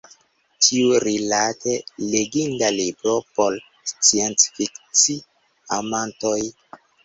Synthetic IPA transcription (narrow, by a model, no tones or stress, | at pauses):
tʰiuɾilatʰeleɡindalibɾo̞pol | st͡sient͡sfikt͡si | amantoj